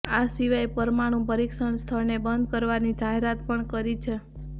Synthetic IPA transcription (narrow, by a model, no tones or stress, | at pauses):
asiʋajpəɾmaɽ̃ũpəɾikʃənst̪ʰəɭnebənd̪̚kəɾʋanid͡ʒaɦeɾat̪pəɳkəɾit͡ʃʰe